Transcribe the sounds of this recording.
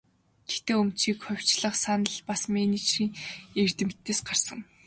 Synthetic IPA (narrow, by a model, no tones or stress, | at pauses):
ɡ̥e̥t̪eːɵmt͡ɕiːkχʊw̥ʲt͡ɕɮə̆χsanə̆ɮpasmenit͡ɕʰriːŋer̥t̪ɘ̆mt̪ːeːsɢarsə̆ŋ